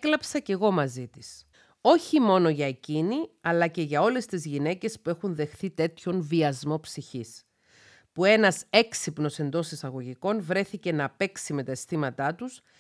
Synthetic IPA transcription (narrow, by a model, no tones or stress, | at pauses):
klɐpsɐce̞ɣo̞mɐzit̪is | o̞çimo̞no̞ʝɐe̞ciniɐlɐce̞ʝɐo̞le̞st̪izʝine̞ce̞spue̞xunðe̞xθit̪e̞t̪ço̞nviɐzmo̞psiçis | pue̞nɐse̞ksipno̞se̞nd̪o̞sisɐɣo̞ʝiko̞nvɾe̞θice̞nɐpe̞ksime̞t̪ɐest̪imɐt̪ɐt̪us